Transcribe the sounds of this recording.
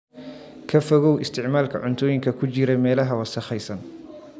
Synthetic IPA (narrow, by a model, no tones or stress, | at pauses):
kʰɐfɔɣɔwɪst̪ʰɪʕmaːlkʰɐʕʊnt̪ʰɔːjɪŋkʰɐkʰʊt͡ʃɪɾɛmɛːlɐɦɐwɑsɐχɛjsɐn